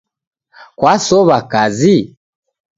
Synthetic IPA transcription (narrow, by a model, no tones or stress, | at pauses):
kwasɔβakazi